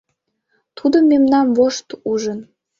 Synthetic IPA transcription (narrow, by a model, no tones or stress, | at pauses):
t̪ʰud̪əmemnɑmvoʃt̪uʒən